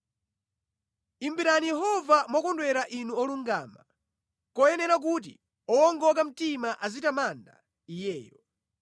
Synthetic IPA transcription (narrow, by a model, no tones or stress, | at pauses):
imbiɾanijɛɦɔvamɔkɔndwɛɾaʔinuɔluŋɡa̰ːma | kɔjɛnɛɾak̬ut̬ḭ | ɔwɔŋɡɔk̬am̩timaʔazitamanda̰ | ijɛːjɔ